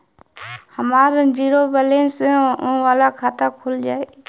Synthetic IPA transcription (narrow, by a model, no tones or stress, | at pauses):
həmaːɾə̃d͡ʒiːɾoːbəlẽːnsõːʋaːlaːkʰaːt̪aːkʰʊld͡ʒaːeː